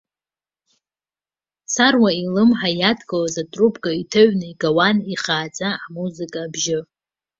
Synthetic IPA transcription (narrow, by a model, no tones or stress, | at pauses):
sarwailɨmħajatʰʼɡʼalazatʼrupʰʼɡʼaitʰaɥnɨiɡawaniχaːt͡sʼaʕmuzɨkʼaːbʒɪ